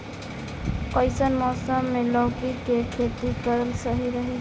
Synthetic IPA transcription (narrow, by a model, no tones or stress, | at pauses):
kəɪsənmɔːsəmːelɔːkikekʰet̪ikəɾəlsəɦiɾəɦi